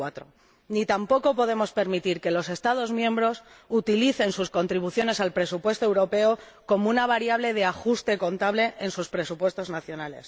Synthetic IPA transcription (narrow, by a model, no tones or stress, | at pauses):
at̪ɾo̰ | nit̪ampo̞ko̞po̞ðe̞mo̞spe̞ɾmit̪iɾke̞lo̞se̞st̪að̞o̞zmjẽ̞mbɾo̞s | ut̪iliθe̞nsusko̞nt̪ɾiβ̞uθjo̞ne̞salpɾe̞supwe̞st̪oe̞wɾo̞pe̞o | ko̞mounaβ̞aɾjaβ̞le̞ð̞e̞axust̪e̞ko̞nt̪aβle̞ʔːnsuspɾe̞supwe̞st̪o̞znaθjo̞nale̞̰s